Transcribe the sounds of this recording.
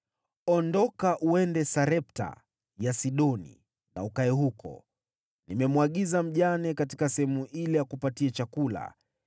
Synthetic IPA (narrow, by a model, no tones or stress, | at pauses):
ɔndɔkaʔuɛndɛsaɾɛp̚ta̰ | jasiɗɔnḭ | na̰ukaɛɦukɔ̰ | nimɛmuwaɠizam̩ʄanɛkati̥kasɛhɛmuilɛjakupatiɛt͡ʃakula̰